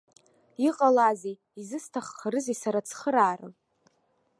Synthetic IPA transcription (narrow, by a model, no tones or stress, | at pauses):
iqʼalaze | izɨstʰaχːaɾɨzisaɾat͡sʰχəɾaːrɨ̰m